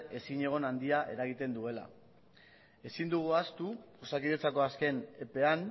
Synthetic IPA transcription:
e̞siɲe̞ɣ̞o̞nand̪iaʔe̞̰ɾaɣ̞it̪e̞nd̪ue̞la̰ | e̞sind̪uɣ̞uast̪u | osakiðet͡sako̞aske̞nepe̞an

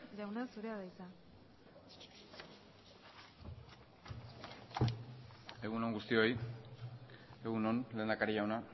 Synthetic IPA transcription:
ʎawnasuɾe̞aðajt̪a | e̞ɣuno̞ŋɡust̪io̞j | e̞ɣunonle̞ːnd̪akaɾiʎawna

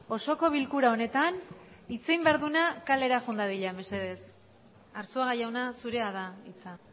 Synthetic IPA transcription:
o̞so̞ko̞β̞ilkuɾao̞ne̞t̪anit͡sejmbeaɾðunakale̞ɾaʝund̪aðiʎame̞se̞ð̞e̞s | aɾsuaɣajawnasuɾe̞aðait͡sa

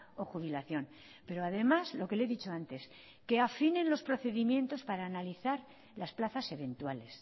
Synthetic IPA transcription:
o̞xuβ̞ilaθjo̞n | pe̞ɾoaðe̞mazlo̞ke̞le̞ðit͡ʃo̞ant̪e̞s | ke̞afinẽ̞nlo̞spɾo̞θe̞ðimjẽ̞nt̪o̞spaɾaːnaliθaɾ | lasplaθase̞βe̞nt̪wale̞s

